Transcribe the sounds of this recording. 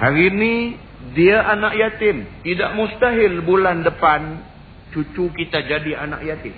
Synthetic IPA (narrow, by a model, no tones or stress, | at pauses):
haɾinĩ | diaʔanãʔjat̪ɪmt̪idaʔmust̪aɦɪlbulandəpan | t͡ʃut͡ʃukit̪ad͡ʒadiana̰ʔjat̪ɪm